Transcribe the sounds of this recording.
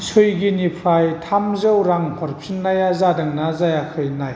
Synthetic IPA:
sʰɯjɡinipʰɾajtʰamzɯwɾaŋhʰɔɾpʰinːajazadɯŋnazajakʰɯjnaj

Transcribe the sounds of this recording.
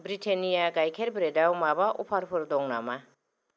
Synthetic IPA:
bɾitʰenijaɡajkʰeɾbɾedawmabaʔṵpʰaɾpʰɯɾd̪ɔŋna̰ma

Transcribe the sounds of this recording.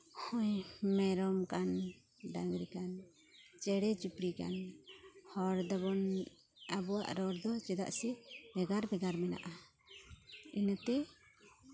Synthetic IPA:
hɔɲmɛɾɔmkan | ɖaŋɡɾikan | t͡ʃɛɽɛd͡ʒupɾika̰n | hɔɾd̪ɔbɔn | abɔwa̰ʔɾɔɾd̪ɔt͡ʃɛd̪a̰ʔsɛbɛɡaɾbɛɡaɾmɛna̰ʔa | inət̪ɛ

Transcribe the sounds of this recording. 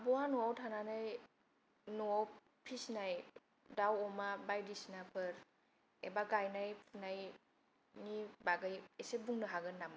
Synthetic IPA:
abɔwanɔawtʰananaj | noaw | pʰisnaj | dawɔmabajdisinapʰɯɾ | ebaɡajnajpʰunaj | nibaɡɯjesebuŋnɯɦaɡɯnːamɯ

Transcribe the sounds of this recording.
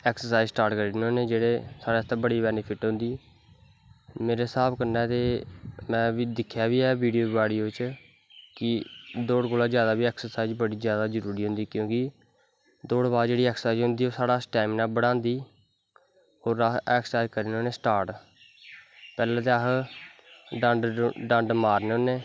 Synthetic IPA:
ɛːksəɾsaːjzsʈaːɾʈkəɾiːnoːneːd͡ʒeːɽeːsaːɽeːt̪ãbəɽiːbɛːnɪpʰɪʈɦõnd̪iː | meːɾeːsaːbkəɾnɛːt̪eːmɛ̃ːbiːd̪ɪkʰːjaːʋiːɛːʋiːɖijoːbʋaːɽiːoːʋɪt͡ʃ | kɪd̪oːɽkoːlaːzjaːd̪aːbiːɛːksəɾsaːzbəɽiːzjaːd̪aːzəɾuːɾiːɦʊ̃nd̪iːkjõːkɪ | d̪oːɽbaːd̪d͡ʒeːɽiːɛːksəsaːɪzɦʊ̃nd̪iːoːsaːɽaːsʈɛːmnãːbəɽãːnd̪iː | oːɾaɛːksaːjzkəɾiːnoːneːsʈaːɾʈ | pɛːlãːt̪eəɦ | ɖəɖɖəɳɖmaːɾneːoːneː

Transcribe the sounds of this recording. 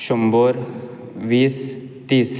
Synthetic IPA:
ʃɔmbɔɾ | ʋiːs | t̪iːs

